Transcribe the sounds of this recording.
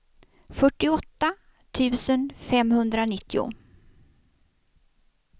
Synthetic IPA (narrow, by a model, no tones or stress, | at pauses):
fœʈːɪɔt̪ːa | t̪ʰʉ̟ːsənfɛmhɵnd̪ɾanɪt̪ʰːɪʊ̰